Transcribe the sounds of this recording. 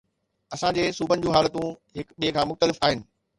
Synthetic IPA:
ɐsãd͡ʑeːsuːbʱənɪ̆d͡ʑũːɦaːlət̪ũɦɪkɓiːekʰãːmʊxt̪əlɪfaːɦɪnɪ̆

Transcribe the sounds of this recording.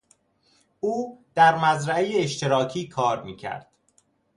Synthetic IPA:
uːd̪̥æɾmæzɾæejeːʃt̪ʰeɾɒːcʰiːkʰɒːɾmḭːcʰæ̰ɾd̪̥

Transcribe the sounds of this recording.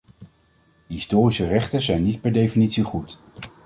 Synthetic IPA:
ɦɪstoːrisərɛχtənzɛjnːit̚pɛɹdejfinitsiχut

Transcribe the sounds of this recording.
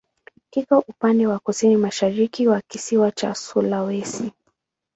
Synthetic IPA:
kikaʔupandɛwakusinimaʃaɾikiwakisiwat͡ʃa̰sulawɛsi

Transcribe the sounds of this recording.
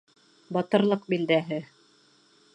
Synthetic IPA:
bɑt̪ɤ̆ɾlˠɤqbild̪æɦɘ

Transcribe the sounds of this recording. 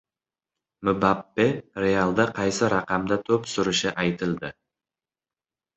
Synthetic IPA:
mʊbapːerʲealˠd̪ɑqʰɑjsɨɾɑqɑmd̪at̪ʰøpsʊɾʊʃɯʔɑjt̪ɨlˠd̪ə

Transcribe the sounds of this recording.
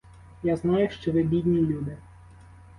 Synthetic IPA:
jaznɑjʊʃt͡ʃɔʋɪbʲid̪ʲnʲilʲud̪ɪ

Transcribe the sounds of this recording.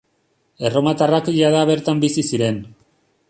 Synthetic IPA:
e̞ro̞mat̪arakiʎaðaβe̞ɾt̪ambisisiɾe̞n

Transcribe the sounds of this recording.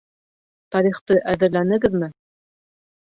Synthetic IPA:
t̪ɑɾiχt̪ɤʔæðɘ̆ɾlænɘ̆ɡɘðmɘ

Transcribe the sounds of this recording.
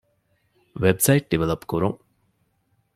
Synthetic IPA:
ʋebsɐjiʈ̚ɖiʋelɐpkuɾuŋ

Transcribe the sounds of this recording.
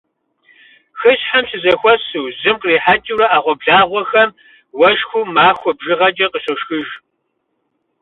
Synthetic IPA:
xɨɕħamsɨzɐxʷɔsɨwzɨmqriːħat͡ʃʼiwɾɐaːʁʷɔbɮaːʁʷɔxɐm | wɐʃxʷuːmaːxʷɔbʒɪʁɐd͡ʒʼɐqəɕɐʃxɨʒ

